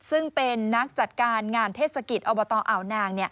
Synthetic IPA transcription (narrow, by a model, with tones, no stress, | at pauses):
sɯ˥˩ŋpe˧nːa˦˥k̚t͡ɕa˨˩t̪̚kaː˧nŋaː˧nt̪ʰeː˥˩t̪̚sa˧ki˨˩t̪̚ʔoː˧bɔː˧t̪ɔː˧ʔa˨˩˦wnaː˧ŋni˥˩